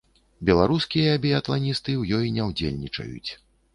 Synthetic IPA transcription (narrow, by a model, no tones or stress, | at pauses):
bʲɛlˠaɾuskʲijɐːbʲijɐt̪lˠanʲist̪ɨwjɔjnʲɛwd͡zʲḛlʲnʲit͡ʂɐ̰jṵt͡sʲ